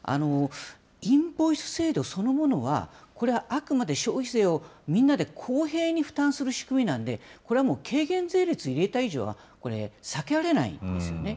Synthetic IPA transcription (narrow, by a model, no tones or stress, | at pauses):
a̰no̞ | ĩmbo̞isɨ̥se̞ːd̪o̞so̞no̞mo̞no̞βa̰ko̞ɾe̞βaʔakɯ̟mad̪e̞ɕo̞ːçʲise̞ːo̞mʲĩnːad̪e̞kʰo̞ːɦe̞ːɲ̟iɸɯ̟̥t̪ãɰ̃sɨɾɯ̟ɕi̥kɯ̟mʲinãnd̪e̞ko̞ɾeamo̞ːkʰe̞ːɡẽ̞nd͡ze̞ːɾʲit͡sɨiɾe̞t̪aiʑo̞̰ːβa̰ | ko̞ɾe̞̰sake̞ɾaɾe̞na̰ḭ̃nd̪e̞sɨjo̞̰ne̞